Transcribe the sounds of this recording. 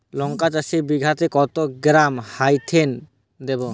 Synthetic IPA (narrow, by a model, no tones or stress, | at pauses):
lɔŋkat͡ʃasibiɡʱat̪ekɔt̪oɡɾamhajt̪ʰen | d̪ebo